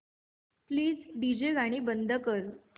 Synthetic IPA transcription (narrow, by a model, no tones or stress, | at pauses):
pliːd͡zɖid͡ʑeʋaɽ̃iːbənd̪ʱəkəɾ